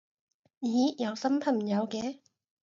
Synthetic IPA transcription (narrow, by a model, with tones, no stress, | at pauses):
jiː˨˦jɐ˨˧wsɐ˥mpʰɐ˨˩nm̩˨˩jɐ˨˧wkɛː˨˦